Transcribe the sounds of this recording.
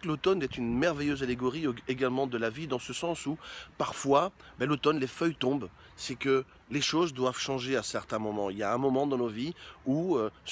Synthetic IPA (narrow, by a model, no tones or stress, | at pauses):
klot̪ɔnɛt̪ynmɛʁvɛjøzaleɡɔʁieɡalmɑ̃d̪əlavid̪ɑ̃səsɑ̃supaʁfwa | bɛlot̪ɔnlefœjt̪ɔ̃b | sɛkə | leʃozd̪wav̥ʃɑ̃ʒeasɛʁt̪ɛ̃mɔmɑ̃iljaɛ̃mɔmɑ̃d̪ɑ̃noviuø